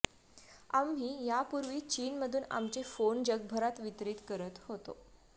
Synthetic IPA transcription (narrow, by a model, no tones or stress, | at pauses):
amɦiːjapuɾʋiːt͡ɕiːnməd̪ʱuːna̰mt͡ɕefond͡ʑəɡ̚bʱəɾat̪ʋit̪ɾiːt̪kəɾət̪hot̪o̰